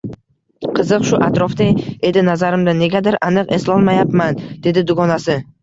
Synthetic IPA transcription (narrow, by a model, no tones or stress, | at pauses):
qʰɨzɨqʃʊʔat̪ɾɒfd̪eje̞d̪ɪnazaɾɪmd̪ane̞ɡʲad̪ɪɾanɨqe̞slɒlˠmajapmand̪e̞d̪ɪd̪ʊɡɒnasɪ